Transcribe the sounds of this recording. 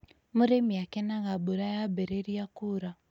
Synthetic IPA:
muɾemiakɛnaɣabuɾajabɛɾeɾijakuɾa

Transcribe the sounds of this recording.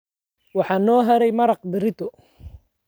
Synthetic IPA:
wɑħɑːnːɔːɦɐɾɛjmɐɾɑq̚b̪ɪɾɪt̪ʰʊ

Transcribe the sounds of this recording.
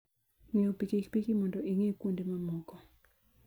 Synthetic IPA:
ŋeopikekpikimɔndɔʔiŋekwundemamɔɡɔ

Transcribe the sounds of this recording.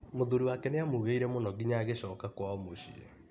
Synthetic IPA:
moðuɾiwakɛneamoɣeiɾɛmonɔɡiɲaːɣeɕɔːkakwaɔmoɕiḛ

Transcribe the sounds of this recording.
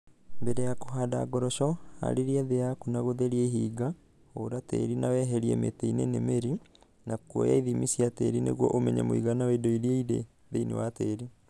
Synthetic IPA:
mbeɾejakoɦada̰ɡɔɾɔʃɔa̰ɾeɾiaðejakunaɣoðeɾieɦiːɡa | oɾatḛɾinawɛɦɛɾiɛ̰mḛteinenemeɾi | nakɔjaiðimisiateɾinḛɣwɔʔomɛɲa̰moiɣanawedoiɾieiðḛ | ðeinḛwateɾi

